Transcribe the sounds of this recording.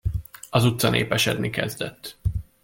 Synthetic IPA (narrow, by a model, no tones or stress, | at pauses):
ɒzut̪sɒneːpɛʃɛd̪mikɛzd̪ɛt̪ː